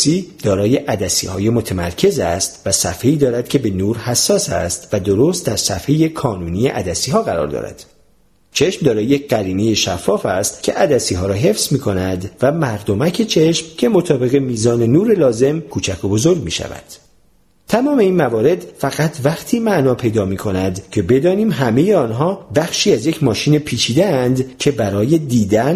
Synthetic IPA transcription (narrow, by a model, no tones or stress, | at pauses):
iːd̪̥ɒːɾɒːje̞ʔæd̪æsḭːhɒːjemo̞t̪ʰemæɾcʰe̞zæst̪væsæfhe̞iːd̪ɒːɾæd̪̥cʰe̞be̞nuːɾhæsːɒːsæ̰st̪væd̪o̞ɾost̪̚d̪æɾsæfhe̞je̞kʰɒːnuːnijeʔæd̪æsiːɦɒːɣæɾɒ̰ːɾd̪ɒ̰ːɾæ̰d̪̥ | t͡ʃʰe̞ʃmd̪ɒːɾɒːjeɢæɾiːnejeʃæfːɒːfæst̪cʲʰe̞ʔæd̪æsiːɦɒːɾɒːɦe̞fz̥miːkʰo̞næd̪væmæɾd̪o̞mæcʰe̞t͡ʃʰe̞ʃmcʰe̞mot̪ʰɒːbe̞ɣe̞miːzɒːne̞nuːɾe̞lɒːze̞mkʰuːt͡ʃʰækʰobo̞zo̞ɾɡmḭːʃæ̰væ̰d̪̥ | t̪ʰæmɒːme̞iːnmævɒːɾe̞d̪fæɣæt̪ʰvæχt̪ʰiːmæʔnɒːpʰe̞jd̪ɒːmiːkʰo̞næd̪cʰe̞be̞d̪ɒːniːmɦæme̞je̞ɒːnɦɒːbæxʃiːæzje̞cʰmɒːʃiːne̞pʰiːt͡ʃʰiːd̪eænd̪cʰe̞bæɾɒːje̞d̪iːd̪æn